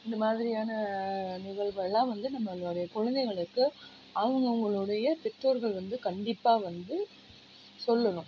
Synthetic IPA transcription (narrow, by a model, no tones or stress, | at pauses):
ɪnd̪ɐmaːðɪɾɪjaːnɐnɪɣɐɭʋɐlːãːʋɐnd̪ɯnɐmːɐlɐɽɐjɐkɔɻɐnd̪ɛɪɣɐɭɯkːɯ | ɐʋɐŋɡɐʊŋɡɐɭɯɽɐjɐp̪ɛʈːoːɾɣɐɭʋɐnd̪ɯkɐɳɖɪpːaːʋɐnd̪ɯ | sɔlːɐnʊ̃